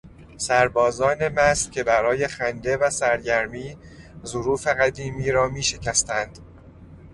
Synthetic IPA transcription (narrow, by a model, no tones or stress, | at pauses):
sæɾbɒːzɒːne̞mæscʰe̞bæɾɒːje̞xænd̪e̞væsæɾɟæɾmiː | zoɾuːfe̞ɣæd̪iːmiːɾɒːmiːʃe̞cʰæst̪ænd̪̥